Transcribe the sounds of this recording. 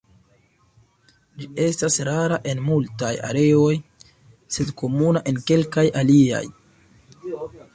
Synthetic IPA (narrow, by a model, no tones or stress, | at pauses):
d͡ʒie̞stasɾaɾaʔe̞nmultaja̰ɾe̞o̞j | se̞dko̞munaʔe̞nke̞lkajalia̰j